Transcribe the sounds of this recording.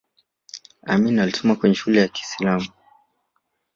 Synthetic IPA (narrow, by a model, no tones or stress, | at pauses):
a̰minalisɔmakwɛɲɛʃulɛjaki̥silamu